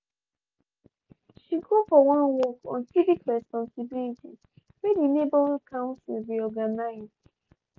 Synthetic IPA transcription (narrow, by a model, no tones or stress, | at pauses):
ʃiɡofɔwãnwɔkʰɔ̰̃nsivikɹɛspɔ̃nsibiliti | wedinebɔlkʰãʊ̃nsḭlɹiɔɡanaɪzdd